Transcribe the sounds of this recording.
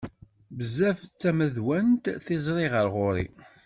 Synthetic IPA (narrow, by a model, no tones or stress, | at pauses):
bəzːæft͡sːæməðwænt̪θɪzˤɾˤɪʁəɾʁʊɾḭ